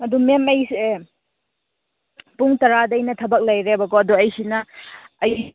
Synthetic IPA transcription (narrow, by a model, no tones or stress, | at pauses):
mɐdumemɐj | puŋtɐɾadɐjnɐtʰɐbɐk̚lɐjɾebɐkoɐduɐjsinɐːj